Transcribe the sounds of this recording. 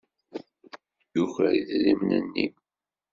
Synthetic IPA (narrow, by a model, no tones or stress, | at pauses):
juçəɾiðɾimnə̰nːḭm